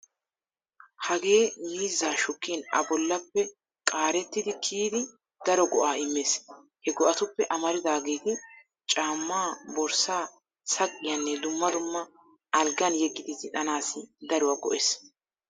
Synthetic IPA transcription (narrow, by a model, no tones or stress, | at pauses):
hɐɡe̞ːmiːzːaːʃʊkːiːnɐ̰bɔlːɐpːɛ | kʼaːɾɛt̪ːɪd̪ɪkʰiːd̪ɪ | d̪̥ɐɾɔɡɔʔaːɪmːeːs | hɛɡɔʔɐt̪ʊpːɛʔɐmɐɾɪd̪aːɡe̞ːt̪ɪ | t͡ʃʼaːmːaːbɔɾsaː | sɐkʼːɪjɐnːɛd̪ʊmːɐd̪ʊmːɐ | ɐlɡɐnjɛɡːɪd̪ɪzɪᶑɐnaːsɪd̪ɐɾʊwaːɡɔ̰ʔeːs